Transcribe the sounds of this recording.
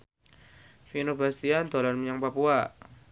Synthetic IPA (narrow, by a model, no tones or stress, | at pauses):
finobast̪iand̪olanməɲaŋpapua